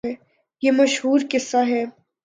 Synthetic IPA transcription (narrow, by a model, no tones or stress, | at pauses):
ɛː | jeːmɐʃɦuːɾkɪsːaɦɛː